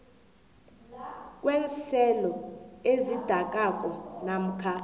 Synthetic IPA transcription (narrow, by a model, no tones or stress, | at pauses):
k̬ʼweːnt͡sʰɛlɔezid̥ʱak̬ʼakʼɔnam̩kʰa